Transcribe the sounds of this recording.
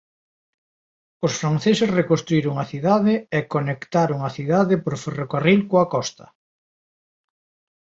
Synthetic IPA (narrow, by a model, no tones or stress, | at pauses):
osfɾanθesɪsrekost̪ɾuiɾoŋɐθiðaðɪɛkonekt̪aɾʊŋɐθiðaðɪpoɾferokarilkoakɔst̪ɐ